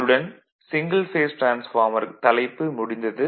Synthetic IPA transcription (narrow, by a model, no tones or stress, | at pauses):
ɯɽɐn | sɪŋɡɐlfeːsʈɾaːnsfaːɾmɐɾt̪ɐlɐɪpːɯmʊɽɪnd̪ɐðɯ